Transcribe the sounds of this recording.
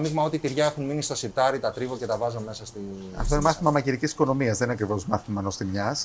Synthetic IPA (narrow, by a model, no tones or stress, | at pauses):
miɣmɐo̞t̪it̪iɾʝɐexunminist̪o̞siɾt̪ɐɾit̪ɐt̪ɾivoce̞t̪ɐvɐzome̞sɐst̪i | ɐ̰ft̪oinemɐθimɐmɐciɾicisi̥ko̞no̞miɐzðenineɐkɾivo̞zmɐθimɐnost̪imɲɐs